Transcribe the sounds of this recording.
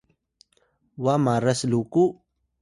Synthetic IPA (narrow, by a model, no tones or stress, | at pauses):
wamaɾəsluku